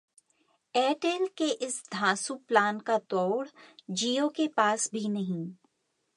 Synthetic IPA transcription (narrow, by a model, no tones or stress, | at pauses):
ɛːʈeːlkeʔɪsd̪ʱãːsuplaːnkat̪ɔːɽd͡ʒiːokepaːsbʱinɐɦĩː